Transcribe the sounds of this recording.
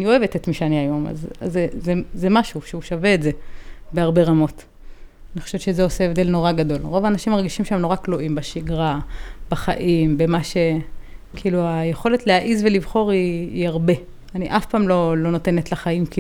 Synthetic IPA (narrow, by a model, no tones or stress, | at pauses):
anio̞e̞vetetmiʃeaniajo̞ma̰zazezezemaʃuʃeuʃave̞ːtze̞beaʁbe̞ʁamo̞t | anixoʃevett͡ʃʃezeo̞seevd̪e̞lno̞ʁaɡado̞lʁo̞vaːnaʃimaʁɡiʃimʃeemno̞ʁakloʔimbaʃiɡʁab̥aχa̰ʔimbemaʃe̞kʰiiːluajeχo̞le̞tlehaʔizvelivχo̞ʁiːaʁbe̞ | aniʔafpaːmlo̞lo̞no̞te̞netlaχaimki